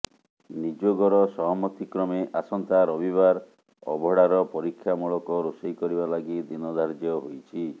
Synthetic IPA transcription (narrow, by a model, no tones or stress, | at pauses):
nid͡ʒoɡɔɾɔsɔɦɔmɔt̪ikɾɔmeʔasɔnt̪aɾɔbiβaɾ | ɔ̰bʱɔɽaɾɔpɔɾikʰːjamuɭɔkɔɾusijkɔɾibalaɡid̪inɔd̪ʱaɾd͡ʒjɔɦojt͡ʃʰi